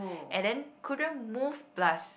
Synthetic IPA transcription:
ʔɛ̃ndɛ̃nkʰudə̃nmuvblas

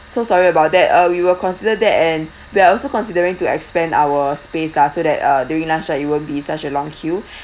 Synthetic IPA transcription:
sosɔɹiəbaʊt̚dɛtʌwiwəkʰɔ̃nsidədɛtɛ̃n | wiaɔlsokɔ̃nsidəɹĩŋtuɛ̰kspɛ̃na̰wəspeslasodɛtʌduɹĩŋlãnsait̚wəbisat͡ʃəlɔ̃ŋkʰju

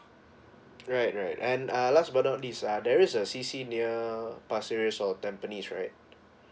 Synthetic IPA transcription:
ɹajt̚ɹaɪtɛ̃nalasbanatdisadɛɹisəsisiniəpasiɹəsɔtɛ̃mpənisɹa̰ɪt̚

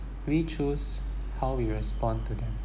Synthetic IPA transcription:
wit͡ʃus | haʊwiɹɛspɔ̃ntud̪ɛ̃m

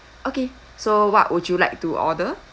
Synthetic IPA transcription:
ʔoke | sowɔ̰ʔwɔt͡ʃjulajk̚tuʔɔ̰də

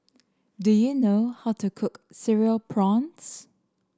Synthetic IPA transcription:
dujunoʊhaʊtʰukʰʊksɪɹiəlpʰɹɔ̃nts

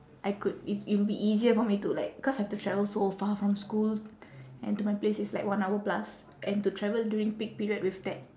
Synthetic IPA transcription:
ʔajkud̚iibiʔiziəfɔmitulaɪk̚ikɔsahɛftutʰɹɛvəlsofafɹɔ̃mskulʔɛ̰̃ntumaɪplesɪtslaɪkwãnawəplas | ʔɛ̃ntutʰɹɛvəldjuɹĩŋpik̚piɹiədwifdɛt̚

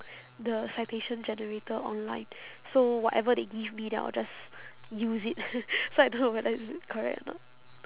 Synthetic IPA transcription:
dəsajteʃə̃nd͡ʒɛnəɹetəɔ̰̃nlã̰ɪ̃n | sowɔʔɛvədeɡivmidɛ̰a̰ld͡ʒas | juzit̚soajdonowɛdəɪskʰɔɹɛ̰k̚tɛ̰nɔ̰t̚

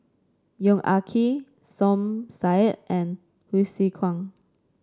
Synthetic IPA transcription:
jɔ̃ŋʔakʰi | sɔ̃msajt̚ʔɛ̃n | hisikʰwãŋ

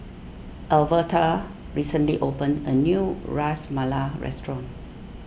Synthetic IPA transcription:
ʔɛlvətʰa | ɹisə̃nliʔopə̃ndə̰njuɹasmalaɹɛ̰stɹɔ̃n

